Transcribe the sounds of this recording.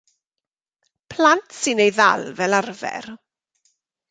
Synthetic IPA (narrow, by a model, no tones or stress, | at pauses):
pʰlantʰsɪnejða̰lvɛlarvɛ̰r